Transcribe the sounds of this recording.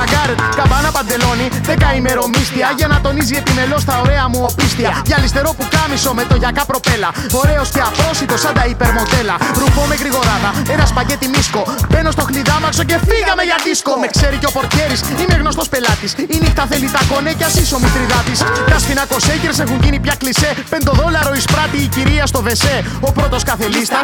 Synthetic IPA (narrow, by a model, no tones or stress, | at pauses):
ɐɡɐɾet̪kɐmbɐnɐpɐnd̪e̞lo̞niðekɐimeɾo̞mist̪iɐʝɐnɐt̪o̞nizie̞pime̞lo̞st̪ɐo̞ɾe̞ɐmuopist̪iɐʝɐlist̪e̞ɾo̞pukɐmiso̞me̞t̪o̞ʝɐkɐpɾo̞pe̞lɐ | o̞ɾe̞osceɐpɾo̞sit̪o̞sɐnd̪ɐipeɾmo̞nd̪e̞lɐɾubo̞meɣɾiɣo̞ɾɐðɐenɐspɐʝe̞t̪imisko̞be̞no̞st̪o̞xliðɐmɐkso̞ce̞fiɣɐmeʝɐðiskomekseɾiceo̞po̞ɾt̪çe̞ɾisineɣno̞st̪o̞spe̞lɐt̪isinift̪ɐθelit̪ɐko̞necɐsisomit̪ɾiðɐt̪ist̪ɐsfinɐko̞seceɾs̬exunʝinipçɐklisepend̪oðo̞lɐɾo̞ispɾɐt̪iːciɾiɐst̪o̞ve̞se | o̞pɾo̞t̪o̞skɐθelist̪ɐ